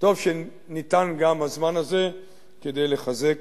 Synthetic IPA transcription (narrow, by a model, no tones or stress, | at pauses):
to̞vʃe | nit̪anɡamhazmanaze̞ | ke̞d̪e̞jle̞χaze̞k